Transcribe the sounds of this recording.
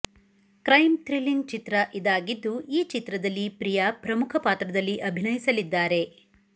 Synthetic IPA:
kɾɐjmt̪ɾiliŋɡ̚t͡ʃit̪ɾɐʔid̪aːɡid̪ːuiːt͡ʃit̪ɾɐd̪ɐlːipɾijɐpɾɐmukʰɐpaːt̪ɾɐd̪ɐlːiʔɐbʱinɐjisɐlid̪ːaːɾe̞

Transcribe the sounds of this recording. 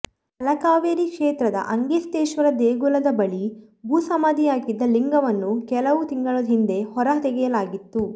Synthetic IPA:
ɐlɐkaːʋeːɾikʂeːt̪ɾɐd̪ɐ̰ʔɐŋɡist̪eːʃʋɐɾɐd̪eːɡulɐd̪ɐbɐɭi | ɡuːsɐmaːd̪ijaːɡid̪ːɐliŋɡɐʋɐnːukɛlɐʋut̪iŋɡɐɭod̪ɦind̪e̞hɔɾɐt̪ɛɡɛjɐlaːɡit̪ːu

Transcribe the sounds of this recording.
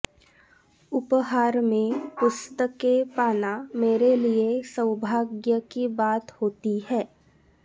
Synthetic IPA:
ʊpɦaːɾmẽpʊst̪əkepaːnameːɾeliesə̃wʊbʱaːɡjəkibaːt̪hoːt̪iɦɛː

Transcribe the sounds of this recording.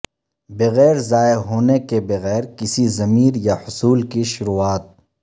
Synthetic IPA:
bɐɣɛːɾzaːeɦoːnekebɐɣɛːɾkɪsizɐmiːɾjahʊsuːlkiʃʊɾuaːt̪̚

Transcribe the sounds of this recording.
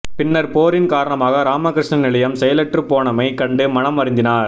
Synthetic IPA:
pɪnːɐɾpoːɾɪnkaːɾɐɳɐmaːɣɐɾaːmɐkɪɾɪʂnɐnɪɭɐjɐmsɛjɐlɛʈrɯpoːɳɐmɐɪkɐɳɖɯmɐnɐmːɐɾɪnd̪ɪnaːɾ

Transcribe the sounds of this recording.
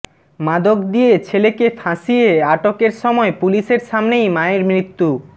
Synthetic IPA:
mad̪okd̪ijet͡ɕʰelekefʰãʃijeaʈokeɾʃɔmɔepuliʃeɾʃamnejmaeɾmɾit̪ːu

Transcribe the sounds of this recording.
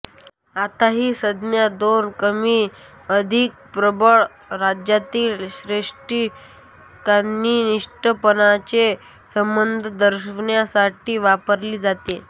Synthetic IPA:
at̪aɦiːsəd̪mjad̪onkəmiː | əd̪ʱik̚pɾəbəɭ | ɾad͡ʑjat̪iːlɕɾeʂʈi | kanːiːniʂʈəpənat͡ɕe | səmbənd̪ʱəd̪əɾɕʋɳjasaʈiːʋapəɾliːd͡zat̪e

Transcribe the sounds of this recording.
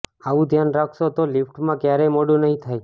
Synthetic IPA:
aʋũd̪ʱjanɾakʰʃot̪olifʈmãkjaɾemoɽũnəɦĩt̪ʰaj

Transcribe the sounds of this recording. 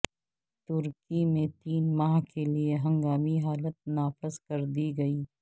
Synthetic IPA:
t̪ʊɾkimẽt̪iːnmaːɦkelieɦɐ̃ŋɡaːmiɦaːlət̪̚naːfɪzkɐɾd̪iɡɐiː

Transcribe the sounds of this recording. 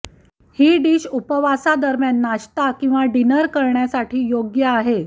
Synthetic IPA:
hiːɖiːɕupəʋasad̪əɾmjanːaɕt̪akĩw̃ʋaɖinəɾkəɾɳjasaʈʰiːjoɡjəaɦe

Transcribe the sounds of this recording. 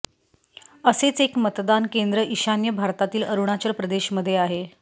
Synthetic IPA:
əset͡sekmət̪d̪ankend̪ɾəʔiɕanjəbʱaɾt̪at̪iːləɾuɽ̃at͡ɕəɾpɾəd̪eɕməd̪ʱːjeaɦe

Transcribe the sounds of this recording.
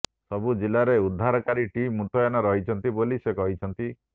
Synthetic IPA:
sɔbud͡ʒilaɾeud̪ʱːaɾɔkaɾiʈimːut̪ɔjanɔɾɔɦit͡ʃʰɔnt̪ibolisekɔɦit͡ʃʰɔnt̪i

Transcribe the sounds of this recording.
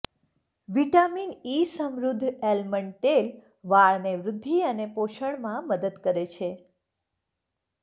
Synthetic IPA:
ʋiʈaminisəmɾud̪ʱelməɳʈ̪el | ʋaɭneʋɾʊd̪ʱːiənepoʃəɳmãməd̪əd̪kəɾet͡ʃʰe

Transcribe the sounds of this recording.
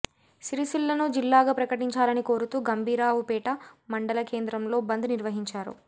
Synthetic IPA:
siɾisilːɐnud͡ʒilːaːɡɐpɾɐkɐʈiɲt͡ʃaːlɐniko̞ːɾut̪uːɡɐmbʱiːɾaːʋupɛːʈɐmɐɳɖɐlɐke̞ːnd̪ɾɐmlo̞ːbɐnd̪uniɾʋɐɦiɲt͡ʃaːɾṵ

